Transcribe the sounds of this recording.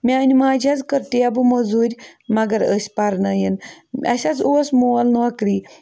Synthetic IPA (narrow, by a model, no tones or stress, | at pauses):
mianimad͡ʑʱjat͡skəɾt̪ijabuməd͡zuɾʲmaɡəɾəspaɾnəjenmʲa̰ɕat͡sosmolnʋakɾi